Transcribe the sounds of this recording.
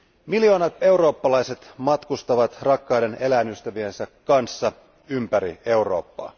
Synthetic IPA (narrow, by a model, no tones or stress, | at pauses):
miljo̞ːnɑt̪e̞uwɾo̞ːpːɑlɑjse̞t̪mɑt̪kust̪ɑʋɑt̪rɑkːɑwde̞ne̞læːnyst̪æʋie̞nsækːɑnsːɑ | ympæɾḭe̞uro̞̰ːpːɑ̰ː